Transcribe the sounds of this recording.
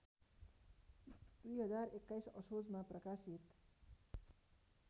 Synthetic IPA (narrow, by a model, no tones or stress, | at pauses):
d̪̥ujɦʌd͡zaɾekːajsʌ̰sod͡zmaprʌkasit̪